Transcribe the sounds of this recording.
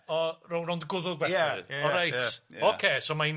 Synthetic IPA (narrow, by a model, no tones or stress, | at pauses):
ɔrownrondɡʊðʊɡvɛɨ̰ɔɾajtʰɔkʰeːsomai